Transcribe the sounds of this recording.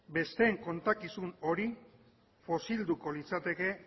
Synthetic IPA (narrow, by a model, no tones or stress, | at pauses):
be̞st̪e̞ːŋko̞nt̪akisuno̞ɾi | fo̞sild̪uko̞lit͡sat̪e̞ke̞